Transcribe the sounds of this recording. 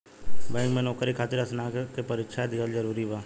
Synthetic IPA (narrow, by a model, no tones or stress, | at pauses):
bãːŋɡmẽnɔːkɾikʰaːt̪ɪɾɐsnakkepɐɾɪkʃad̪ɪɡəlzɐɾuːɾiʋaː